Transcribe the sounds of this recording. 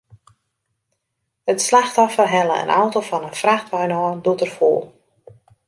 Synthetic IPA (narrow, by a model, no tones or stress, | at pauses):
ətslaxtɔfərɦɛləə̰nʔɔwtofɔnənfraxtʋɔjnɔːndutərfo̰ːlˠ